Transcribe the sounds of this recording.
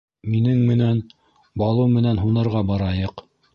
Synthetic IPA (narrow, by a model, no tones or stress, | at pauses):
minɘŋmɘ̆næn | bɑlˠɤmɘ̆nænɦunɤ̆ɾʁɑbɑɾɑjɤq